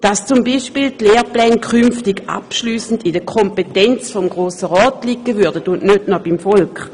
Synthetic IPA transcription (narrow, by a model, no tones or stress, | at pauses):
d̥ast͡sumbiːʃpiːltleːplɛːnkʰymftɪɡa̰pʃlyːsn̩didəkʰɔmpetɛnt͡sfɔmɡʁoːsəʁɔːtlikːəvyɐdətʊnʔnødnɔb̥imfɔlkχ